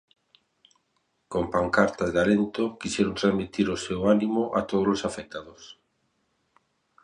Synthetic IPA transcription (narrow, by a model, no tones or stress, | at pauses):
kompaŋkaɾt̪azðealent̪ʊkisɛɾont̪ɾazmit̪iɾʊsewanimʊʔat̪oð̞ozlosafek̚t̪aðos